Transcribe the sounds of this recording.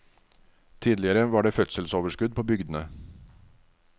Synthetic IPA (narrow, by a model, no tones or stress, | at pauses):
t̪ʰiːd̪lɪəɾəʋɑːɖeːfœt̪səlsoːʋəʂkʉd̪̚pʰoːbʏɡd̪ən̩ə